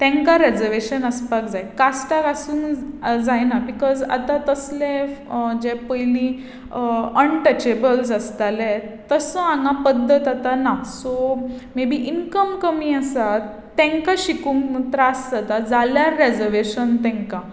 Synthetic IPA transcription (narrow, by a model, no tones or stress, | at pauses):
t̪ɛ̃ŋkaɾed͡zəɾʋeɕənəspak̚d͡zajkasʈakasuːnd͡zajnabikɔza̰t̪at̪əslẽd͡ʑepəjlĩ | əɳʈət͡ɕebəls̬ast̪alɛt̪ːəsəãŋɡapəd̪ʱːət̪at̪anasɔmebʱiːʔinkəmkəmiːasat̪ːɛ̃ŋkaɕikũŋkmut̪ɾaːstat̪ad͡zaljaɾed͡zəɾʋeɕənt̪ɛ̃ŋka